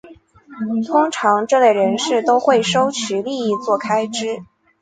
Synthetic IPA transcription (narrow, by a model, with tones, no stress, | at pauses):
t̪ʰʊ˥ŋʈ͡ʂʰɑ˧˥ŋʈ͡ʂɤ˥˧le˥˩ɪɻə˧˥nʂɻ̩˥˩t̪o˥ʊxwe˥˩ɪʂo˥ʊt͡ɕʰy˧˥li˥˧i˥˧t͡swɔ˥˩kʰa˥ɪʈ͡ʂɻ̩˥